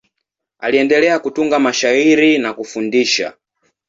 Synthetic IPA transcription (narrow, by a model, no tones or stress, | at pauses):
aliɛndɛlɛakutuŋɡamaʃaiɾinakufundiʃa̰